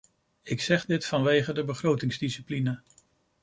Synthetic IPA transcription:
ɪksɛχdɪtfɑnʋejχədəbəχrowtɪŋzdisiplinə

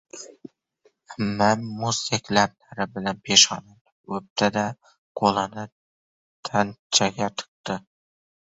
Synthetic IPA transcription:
mmanmʊsekʲlab̚laɾɪbɪlanpʰeʃɒnan | ɵp̚t̪ʰad̪a | qʰolˠanɪ | t̪ʰant͡ʃʰaɡʲat̪ʰɨ̥q̚t̪ɪ

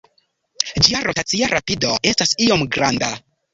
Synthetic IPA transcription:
d͡ʒiaɾo̞tat͡siaɾʔapido̞e̞stasio̞mɡɾanda

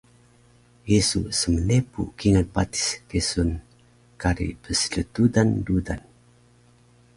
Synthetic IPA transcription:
jesusəmənepṵkiŋanpat̪i̥skesun | kaɾḭbəsə̥lət̪udandudan

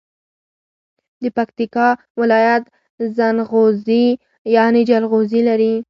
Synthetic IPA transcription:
d̪əpakt̪ikɑ | wɪlɑjat̪ | zanɣozi | jɑned͡ʒalɣozilaɾi

